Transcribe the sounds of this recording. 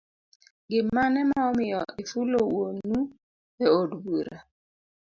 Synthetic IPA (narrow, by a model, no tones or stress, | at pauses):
ɡɪmanɛmaɔmɪjɔɪfulowonu | ɛodbuɾa